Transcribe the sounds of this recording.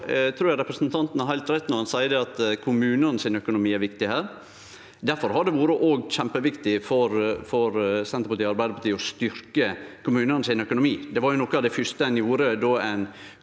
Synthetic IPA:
t̪ʰɾuːɾjɑɾɛpɾəsnt̪ʰɑnt̪n̩hɑɾɦæɪlt̪ɾɛt̪ːnɔɾhɑnsæɪəd̪ɛɑt̪kʰʊmʉːnənsɪnœkʊnʊmiːæɾʋɪkt̪ɪhæːɾ | d̪æɾfɔɾhɑɖ̪ɛʋuːɾəʔoːɡɕɛmpəʋɪkt̪ɪfɔɾfɔɾsɛnt̪əɾpɑt̪iːɑɾbæɪd̪əpʰɑt̪ʰiːɔst̪ʏɾkəkʰʊmʉːnənsɪnœkʊnʊmiːd̪ɛʋɑɾjʊnɔkːəɑʋd̪ɛfʏʂt̪əɛnjuːɾəd̪oːɛn

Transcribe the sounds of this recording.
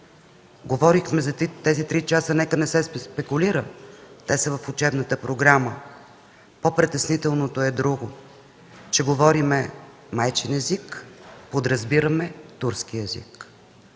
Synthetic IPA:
ɡovɔɾixmɛzɐt̪ɛzit̪ɾit͡ʃasənɛkənɛsɛspɛkʊliɾət̪ɛsəvɐfʊt͡ʃɛbnət̪əpɾoɡɾamə | popɾɛt̪ɛsnit̪ɛlˠnot̪oɛd̪ɾuɡʊ | t͡ʃɛɡovɔɾimɛ | majt͡ʃɛnɛzikpod̪ɾɐzbiɾəmɛt̪uɾskiɛzḭk

